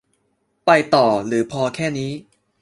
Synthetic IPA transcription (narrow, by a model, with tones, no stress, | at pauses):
pa˧jt̪ɔː˨˩ɾɯː˩˦pʰɔː˧kʰɛː˥˩niː˦˥